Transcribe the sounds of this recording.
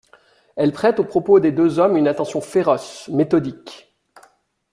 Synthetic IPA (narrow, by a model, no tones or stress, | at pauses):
ɛlpχɛt̪opχɔpod̪ed̪øzɔmynat̪ɑ̃sjɔ̃feʁɔsmet̪ɔd̪ik